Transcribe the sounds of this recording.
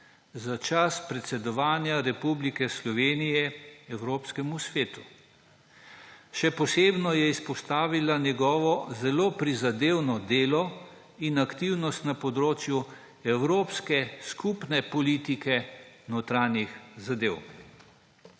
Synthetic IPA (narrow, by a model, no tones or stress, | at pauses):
zat͡ʃaspɾɛt̪sɛd̪ɔʋaːnjaɾɛpublikɛslɔʋeːnijɛɛwɾoːpskɛmusʋeːt̪u̥ | ʃɛpɔseːbnɔjɛispɔst̪aːʋilanjɛɡɔːʋɔzɛloːpɾizad̪eːwnɔd̪eːlɔ | inakt̪iwnɔst̪napɔd̪ɾoːt͡ʃju | ɛwɾoːpskɛskupnɛpɔlit̪ikɛ | not̪ɾaːnjixzad̪eːw